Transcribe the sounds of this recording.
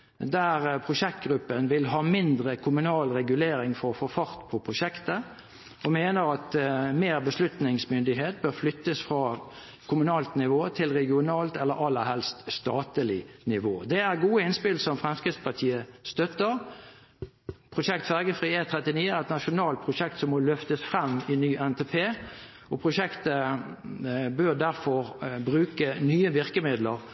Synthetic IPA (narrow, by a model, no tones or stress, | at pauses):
d̪æʁpʰʁʊʂɛk̚t̪̚ɡʁʉpːənʋɪlɦɑːmɪnd̪ʁəkʰʊmʉnɑːlʁɛɡʉleːɾɪŋfɔʁɔfɔfɑʁt̪pʰɔpʰʁʊʃɛkt̪ə | ɔmeːnəɾɑt̪meːʁbəslʉt̪nɪŋsmʏnd̪ɪɦeːt̪̚bøːʁflʏt̪ːəsfʁɑː | kʰʊmʉnɑːlt̪nɪʋoːt̪ʰɪlʁɛɡɪʊnɑːlt̪ɛlːəɾɑlːəɾhɛlst̪st̪ɑːt̪əlɪnɪʋoːd̪ɛæʁɡuːəɪnspɪlsəɔmfʁɛmskʁɪd̪spɑt̪ʰiːəst̪œt̪ːəʁ | pʰʁʊʃɛkt̪fæʁɡəfʁiːeːt̪ʰʁɛt̪ɪniːəæʁɛt̪nɑʃʊnɑːlt̪̚pʰʁʊʂɛk̚t̪sɔmɔlʏft̪əsfʁɛmːɪnyːʔɛnt̪ʰepʰeːʔɔpʰʁʊʃɛkt̪ə | bøːʁd̪æʁfɔʁbʁʉːkənyːəʋɪʁkəmɪd̪ləʁ